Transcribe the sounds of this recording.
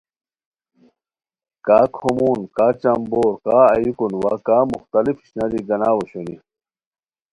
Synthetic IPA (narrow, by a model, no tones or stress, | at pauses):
kaːkʰomuːnkaːt͡ɕɐmboːɾkaːɐ̰jukunwakaːmuxt̪ɐlifi̥ɕnɐd̪iɡɐnaːwɐɕoni